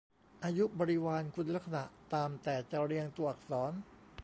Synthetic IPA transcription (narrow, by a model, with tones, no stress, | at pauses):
ʔaː˧ju˦˥ʔbɔː˧ɾi˦˥waː˧nkʰu˧nla˦˥k̚sa˧na˨˩ʔt̪aː˨˧mt̪ɛː˨˩t͡ɕa˨˩ɾi˧əŋt̪u˨˧əʔa˨˩k̚sɔː˩˦n